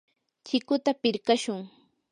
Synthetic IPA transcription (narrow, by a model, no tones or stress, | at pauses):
t͡ʃɪkʊt̪apɪɾkaʃʊŋ